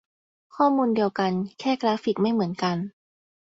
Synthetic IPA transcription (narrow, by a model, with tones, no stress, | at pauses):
kʰɔː˥˩muː˧ndi˧əwka˧nkʰɛː˥˩kɾaː˦˥fi˨˩k̚ma˥˩jmɯ˩˦ənka˧n